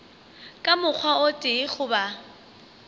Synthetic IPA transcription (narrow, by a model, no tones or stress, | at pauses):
kʼamʊk͡xʰwaotʼɪχʊba